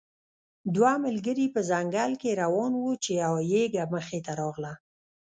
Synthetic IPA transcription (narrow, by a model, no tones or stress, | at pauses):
d̪waməlɡəɾipəzaŋɡalkeɾawɑnwut͡ʃeawajeɡaməxet̪aɾɑɣla